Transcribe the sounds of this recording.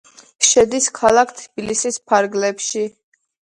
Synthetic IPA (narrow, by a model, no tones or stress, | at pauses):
ʃɛd̪iskʰalˠakʰt̪ʰbilisispʰaɾɡlɛpʃi